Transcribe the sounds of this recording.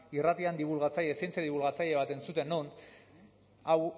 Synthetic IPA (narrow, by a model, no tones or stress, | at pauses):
irat̪iand̪iβulɣat͡saʎesent͡sjaðiβulɣat͡saʎe̞β̞at̪e̞nt͡sut̪e̞nːon | aw